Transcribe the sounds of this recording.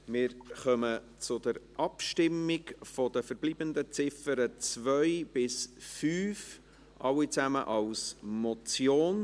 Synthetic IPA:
mɪːɾχœmə | t͡sʊd̪əɾʔɑpʃtɪmːɪɡfɔd̥̪əfəɾb̥liːbənd̪ət͡sɪfəɾət͡svœɪb̥ɪsfyːf | ʔɑwit͡sæməʔɑʊsmɔt͡sjoːn

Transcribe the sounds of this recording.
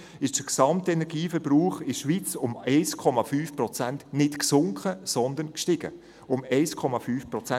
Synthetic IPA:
ɪʃd̥əksɑmtɛnɛɾɡiːfəɾb̥ɾuːχɪʃʋit͡sʊmɛɪskʰɔmɑfyːfprɔt͡sæntnɪtksʊŋkʰχəsɔnd̪ənkʃtɪɡ̥ə̰ | ʊmɛɪskʰɔmɑfyːfpɾɔt͡sæ

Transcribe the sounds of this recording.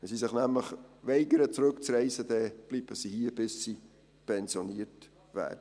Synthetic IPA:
ɛsisɪχnæmləχvɛɪɡəɾət͡sɾɵkt͡srɛɪsəd̥̪ɛb̥lib̥əsihiəb̥ɪsːi | pʰɛnsjoniəɾt | væ̰ːdə

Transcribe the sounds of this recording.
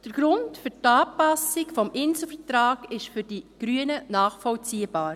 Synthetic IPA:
d̥əɾɡ̥ɾʊntfʏɾtɑːpɑsɪkfɔmʔɪnsəfətɾɑːɡ̥ɪʃfʏɾd̥iɡ̥ɾyənənɑːχfɔlt͡siːb̥ɑːɾ

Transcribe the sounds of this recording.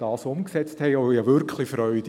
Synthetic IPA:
d̥ɑːsʊmksɛt͡sthɛjojɑʋʏɾkʰlifɾœʏd

